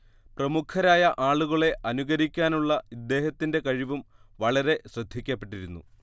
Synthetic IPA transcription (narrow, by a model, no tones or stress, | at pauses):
prɐmukʰɐɾaːjɐʔaːɭuɣɐɭe̞ʔɐnuɣɐɾikʲːaːnuɭːɐid̪ːe̞ːhɐt̪ːinde̞kɐɻiʋumʋɐɭɐɾe̞ɕrɨd̪ʱːikʲːɐpːe̞ʈːiɾunːṵ